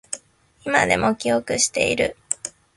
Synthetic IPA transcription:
ima̰d̪e̞mo̞kʲio̞kɯ̟ɕi̥t̪e̞̰iɾɯ̟

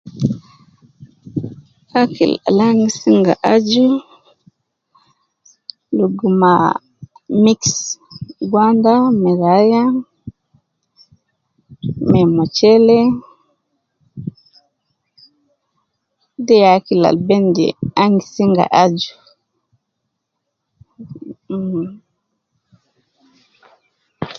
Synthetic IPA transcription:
akḭla̰laŋisiŋɡa̰ʔad͡ʒu | luɡuma | miks | ɡwandamɛɾaja | mɛmɔt͡ʃɛlɛ | dɛjakila̰lbɛndɛ̰aŋɡisiŋɡa̰ʔad͡ʒu

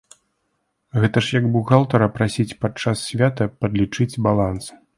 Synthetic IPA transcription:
ɣɛt̪ɐʂjɐɡbuɣalˠt̪ɐɾɐpɾasʲit͡sʲpat̪t͡ʂasːʲvʲat̪ɐpɐd̪lʲit͡ʂɨd͡zʲbalˠans

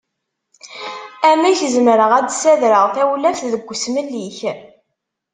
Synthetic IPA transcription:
æmæçəzmɾəʁæd̪sæðɾəʁθæwlæfθðəɡʷːsməlːiç

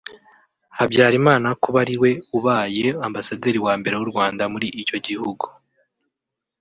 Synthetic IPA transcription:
habɟaːɾimaːnakuβaɾiwe̞uβaːjeambasadeːɾiwaːmbe̞ɾe̞wuɾɡwaːndamuɾiʔico̞ɟihuɡu

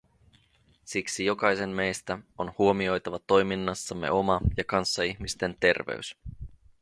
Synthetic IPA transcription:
siksijo̞kɑjse̞mːe̞jst̪æonhuo̞mio̞jt̪ɑʋɑt̪o̞jminːɑsːɑmːe̞̰ʔo̞mɑjɑkɑnsːɑiçmist̪e̞nt̪e̞rʋḛys

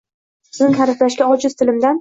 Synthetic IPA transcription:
ɪznɪŋhaɾɪflaʃɡʲaɒd͡ʒɪz̥t̪ʰɪlɪmd̪an

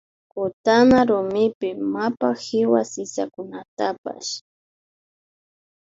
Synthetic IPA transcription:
kʊt̪anaɾʊmɪpɪmapahɪwasɪsakʊnat̪apa̰ʃ

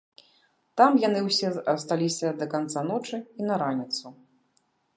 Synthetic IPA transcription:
t̪amjanɨwsʲɛɐst̪alʲisʲɐd̪ɐkant̪sanɔt͡ʂɨinɐɾanʲit̪su

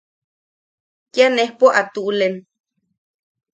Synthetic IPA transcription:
kianehpoʔat̪ulen

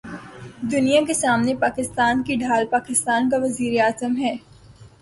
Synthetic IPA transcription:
d̪ʊnijakesaːmnepaːkɪst̪aːnkiɖʱaːlpaːkɪst̪aːnkaʋɐziːɾeaːzəmɦɛː

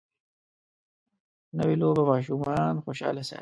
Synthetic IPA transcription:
nawiloːbamɑːʃ̬umɑːnxoːɕɑ̰ːlasa̰

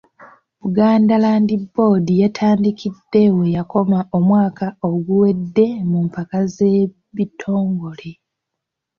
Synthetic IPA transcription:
βuɡaːndalaːndibːo̞ːdijatʰaːndikʰidːe̞we̞jako̞maʔo̞mwaːkʰao̞ɡuwe̞dːe̞mumpakaze̞ | βitʰo̞ːŋɡo̞le

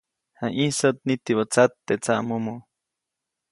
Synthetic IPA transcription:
hãʔisot̪̚nit̪iβot͡sat̪ːet͡saʔmomo

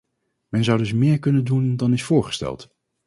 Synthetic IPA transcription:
mɛnzʌwdɵs̬mɪːɹkɵnəndundɑnɪsfʊːɹχə̥stɛ̰lˠt

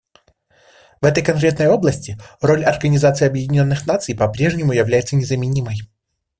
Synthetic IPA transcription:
vɛt̪əjkɐnkɾʲe̞t̪nəjo̞blˠəsʲtʲɪro̞lʲɐrɡənʲɪzat̪sɨɪɐbjɪdʲɪnʲo̞nːɨxnat̪sɨjpɐpɾʲe̞ʐnʲɪmʊjɪvlʲæjɪt̪sənʲɪzəmʲɪnʲiməj

